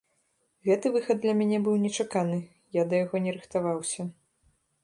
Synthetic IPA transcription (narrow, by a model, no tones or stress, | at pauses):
ɣɛt̪ɨvɨxɐd̪̚d̪lʲɐmʲanʲɛbɨwnʲɛt͡ʂakanɨ | jad̪ɐjaɣɔnʲɛɾɨxt̪avawsʲɐ